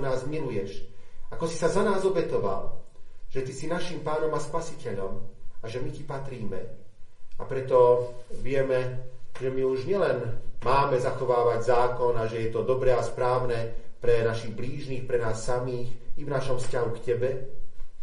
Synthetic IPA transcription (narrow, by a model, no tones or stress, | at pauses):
naːzmilujɛʃakɔsi̥sazanaːzɔbɛt̪ɔʋa̰lʒ̥ɛt̪isinaʃimpaːnɔmaspasicɛʎɔmaʒɛmicipat̪ɾiːmɛ̰ | apɾɛt̪ɔʋɪɛmɛʒɛmiuʒɲɪɛlɛnmaːmɛzaxɔʋaːʋaɟzaːkɔnaʒɛjɛt̪ɔd̪ɔbɾɛaspɾaːʊnɛpɾɛnaʃiɣbliːʒniːxpɾɛnaːsːamiːxivnaʃɔmfscaɦukcɛbɛ